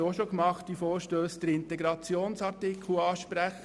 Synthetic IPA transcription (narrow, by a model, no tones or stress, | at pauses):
oʃokmɑχtifoːɾʃtøːsd̥̪əɾɪnt̪ɛɡɾɑt͡sjoːnsɑɾtɪkʰl̩ɑːʃpɾæχ